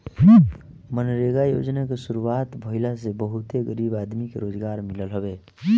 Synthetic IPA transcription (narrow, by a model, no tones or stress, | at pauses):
mənɾeɡajo̰ːd͡ʒnakesuɾuaːt̪bʱəɦɪlasebəɦʊt̪eɡəɾiːbaːd̪mikḛɾoːd͡ʒɡaːɾmɪləlɦobeː